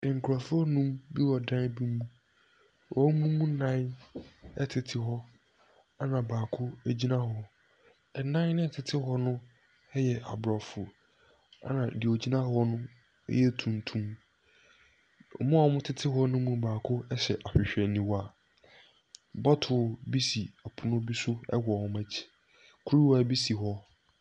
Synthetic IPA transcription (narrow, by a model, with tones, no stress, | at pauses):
ɪ˨ŋ̩˨kʰa˨fʊ˦ɔ˦nũ˦mbi˦wɔ˨dã˦nbi˦mũ˦ | wʔɔ˦mũ˦mũ˦nã˦n | ɛ˨tʰɪ˨tʰɪ˦ɦɔ˦ | a˦nã˨baː˨kʰʊ˦æ˨d͡ʑi˦nã˦ɦɔ˦ | ɛ˨nã˦n˦nɪ̃˦ɛ˨tʰɪ˨tʰɪ˦ɦɔ˦nʊ̃˦ | ɛ˦jɛ˨ʔa̰˨bɾɔ˨fʊ˨ | a̰˦nã˨dɪ˨o˨d͡ʑi˦nã˦hɔ˦nʊ̃˦ | ɛ̰˦jɛ˦tʰũ˨ntʰũ˦m | ɔ̰˨mʊ̃˦a˨˦mʊ̃˦tʰɪ˦tʰɪ˦ɦɔ˦nʊ̃˦mũ˦baː˨kʰʊ˦ɛ˦ɕɛ˨ʔa˨ɕᶣɪ˨ɕᶣɛ˨nĩ˨wa˦˨ | bɔ˦tʰʊ˨bi˦si˨a˨pʰʊ˨nʊ̃˦bi˦sʊ˦ɛ̰˦wɔ˨hɔ̃˦mæ˦t͡ɕʰi̥˨ | kʰu˦ɾi˦wa˦bi˦si˨ɦɔ˦